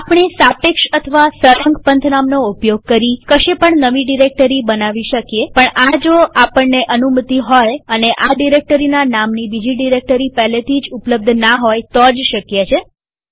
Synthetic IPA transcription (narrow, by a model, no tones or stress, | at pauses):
apɳ̃isapekʃət̪ʰəʋasəɾəŋɡpənt̪ʰnamnoupjoɡ̚kəɾikəʃepəɳnəʋiɖiɾek̚ʈəɾibənaʋiʃəkjepəɳad͡ʒoapəɳːeʔənumət̪iɦɔjəneʔaɖiɾek̚ʈəɾinanamnibid͡ʒiɖiɾek̚ʈəɾipɛɦlet̪ʰid͡ʒupləb̚d̪ʱnaɦɔjt̪ɔd͡ʒʃəkjet͡ʃʰe